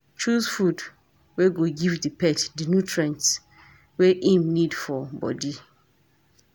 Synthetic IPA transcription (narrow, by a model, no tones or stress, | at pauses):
t͡ʃuzfud | weɡoɡivdipɛtdinjutʰɹãnts | weʔĩmnidfɔbɔ̰di